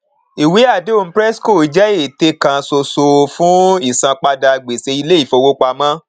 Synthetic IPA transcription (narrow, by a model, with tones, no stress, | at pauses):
i˨wi˨˦a˦˨de˦o˧n̩˦pɾɛ˦sko˦˨i˨˦d͡ʒɛ˦e˦˨te˧˦kã˧so˧so˧fũ˦i˦˨sã˧k͡pa˧da˧˨ɡ͡be˨se˧i˧le˦i˦˨fo˧wo˦k͡pa˧mã˦